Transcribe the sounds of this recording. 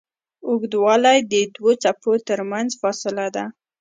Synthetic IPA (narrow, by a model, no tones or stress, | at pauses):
ʊɡd̪wɑlajd̪əd̪wot͡sapot̪əɾmanzfɑsɪlad̪a